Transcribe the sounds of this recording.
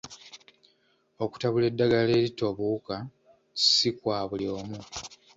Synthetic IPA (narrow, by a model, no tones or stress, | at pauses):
o̞ku̥taβule̞dːaɡale̞ːɾito̞βuka | sikwaːβulio̞ːmu